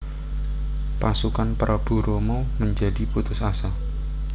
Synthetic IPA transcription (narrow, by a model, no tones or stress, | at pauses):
pasukanpəɾəb̥ṳɾomoməɲd͡ʒa̤diput̪ʊsasa